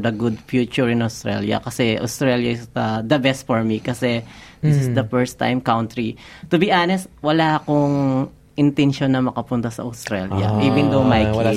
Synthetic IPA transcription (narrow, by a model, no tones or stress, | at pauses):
d̪ɐɡʊd̪fjuːt͡ʃʊɹɪ̃nɐwst̪ɾɛ̰ljɐ̰kɐsɛʔɐ̰ʊst̪ɾɛljɐɪsd̪ɐd̪ɐbɛst̪̚fɔɹmikɐsɛd̪ɪsɪsd̪ɐfɛɹst̪ːã̰jmkawnt̪ɹi | t̪ʊbiʔaːnɛst̪̚wɐlaːkoŋ | ʔɪnt̪ɛnʃonːɐmɐkɐpʊnt̪asɐ̰ʔɐʊst̪ɾɛljɐ̰ʔiːvɪnd̪owmajk